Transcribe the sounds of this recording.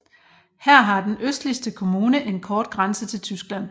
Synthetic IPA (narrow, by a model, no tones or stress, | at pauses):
hæɐ̰ɦɑ̈d̥enøsd̥lisd̥əkʰo̝muːnəʔe̝nkʰɒːd̥ɡ̥ʁansət͡sʰe̝lt͡sʰysɡ̥læn̰